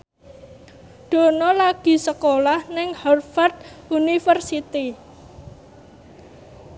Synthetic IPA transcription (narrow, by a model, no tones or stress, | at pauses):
ɖ̪̥o̤nɔlaɡ̥i̤səkolahnɪŋhɔrfard̪̚unifərsit̪i